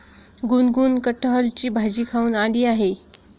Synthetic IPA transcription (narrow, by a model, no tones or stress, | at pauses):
ɡunɡuːnkəʈʰːəɦəlt͡ɕiːbʱad͡ʑiːkʰauːnaliːaɦe